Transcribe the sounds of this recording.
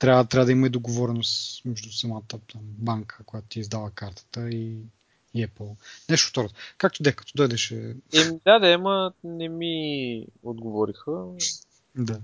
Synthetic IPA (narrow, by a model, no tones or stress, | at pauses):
t̪ɾʲavət̪ɾabəd̪ɐiməid̪oɡovɔɾɛnost̪mɛʒd̪usɐmat̪ət̪ambaŋkʰə̥kojat̪o̥t̪ʲiizd̪avəkaɾt̪ə̥t̪əi | ɛplˠnɛʃt̪o̥ft̪ɔɾot̪kak̚t̪od̪ɛxkɐ̥t̪ɔd̪ɔjd̪ɛʃɛɛmid̪ad̪ɛmɐnɛmi | od̪ɡovɔɾixə | d̪a